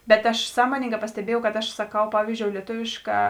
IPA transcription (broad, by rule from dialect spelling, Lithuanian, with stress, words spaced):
ˈbʲɛt ɐʃ ˈsɑːmoːnʲɪŋɡɑː pɐsʲtʲɛˈbʲiɛjɛʊ kɐt ɐʃ sɐˈkɐʊ ˈpɑːʋʲiːzʲd͡ʒʲoːʊ lʲiɛˈtʊʋʲɪʃˌkɑː